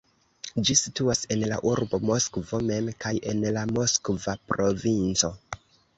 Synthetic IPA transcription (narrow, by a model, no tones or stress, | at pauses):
d͡ʒisituase̞nla̰ʔuɾbo̞mo̞skvo̞me̞mkajʔe̞nlamo̞skvapɾo̞vint͡so̞